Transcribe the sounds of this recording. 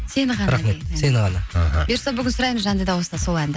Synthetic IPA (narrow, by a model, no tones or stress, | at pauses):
se̞nɪʁɑnɾɑχme̞t̪senɪʁɑnɑa̰ɦa̰beɾsɑbʏɡʲɪnsʊɾɑjməzʒɑnd̪əjd̪ɑwost̪ɑso̞lˠænd̪ɪ